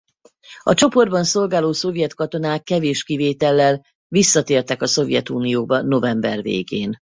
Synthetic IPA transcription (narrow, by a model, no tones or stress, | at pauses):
ɒ̰t͡ʃo̞po̞rd̪̚bɒnso̞lɡaːloːso̞vjɛt̪kɒt̪o̞naːkːɛveːʃkiveːt̪ɛlːɛl | visːɒt̪eːrt̪ɛkɒso̞vjɛt̪uːnijoːbɒno̞vɛmbɛrvḛːɡeːn